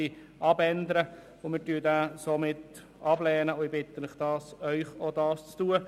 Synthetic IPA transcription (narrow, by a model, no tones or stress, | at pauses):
i | ʔɑbɛnd̪əɾə | ʊmɪːɾtyːdæːsomɪt | ɑblɛːnəʊɪbɪt̪ənɪχd̥ɑːsœʏχod̪ɑːst͡stuːə